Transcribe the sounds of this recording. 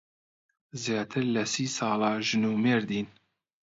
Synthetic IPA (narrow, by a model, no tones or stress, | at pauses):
zjɑːt̪ʰɨɾlɛsiːsɑːlɑːʒɨnuːmeːɾd̪iːn